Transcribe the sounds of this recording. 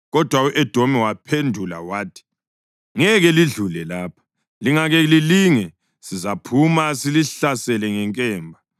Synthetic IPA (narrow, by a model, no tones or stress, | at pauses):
ɣɔd̥ʱwawuʔɛd̥ʱomɛwapʰendʱula̰waːtʰi̥ | ŋɛɣɛliɮulɛlaːpʰḁ | liŋaɣɛliliŋɛ | sizapʰumasiliɬasɛlɛŋɛŋkʼɛːmbʱa